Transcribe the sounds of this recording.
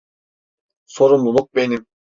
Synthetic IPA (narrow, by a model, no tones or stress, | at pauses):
so̞ɾumlˠulˠuk̚be̞nim